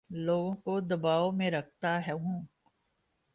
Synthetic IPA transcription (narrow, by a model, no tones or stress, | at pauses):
loːɡõkod̪ɐbaːomẽɾɐk̚ʰt̪aɦɛɦũː